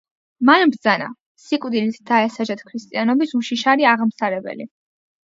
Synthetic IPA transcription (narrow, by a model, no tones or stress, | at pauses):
manbɾd̪zana̰ | sikʼvd̪ilisʰd̪̥aɛsad͡ʒat̪ʰkʰɾist̪ʼianɔbisuʃiʃaɾiaʁmsaɾɛbɛ̰li